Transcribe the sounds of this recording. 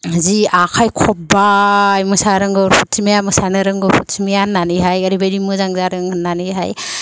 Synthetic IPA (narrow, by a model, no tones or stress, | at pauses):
ziakʰajkʰɔpbajmɯsaɾɯŋɡɯɾpʰuttʰimijamɯsanɯɾɯŋɡɯpʰuttʰimijanːanɯɦajɐɾibajɾimɯzaŋzaɾɯŋɯnːanɯɦaj